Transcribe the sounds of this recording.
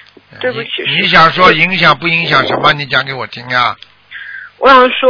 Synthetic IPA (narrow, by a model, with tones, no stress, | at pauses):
twe˥˩˧ni˧˥ɕ̬jɑ˨˩ŋʂwɔ˥i˧˥ŋɕjɑ˨˩ŋpu˥˩i˧˥ŋɕjɑ˨˩ŋʂə˧˥mə˧ni˧˥t͡ɕjɑ˨˩ŋke˧˥ɪwɔ˨˩t̪ʰi˥ŋja˧ | wɔ˧˥ɕɑ˨˩ŋʂwɔ˥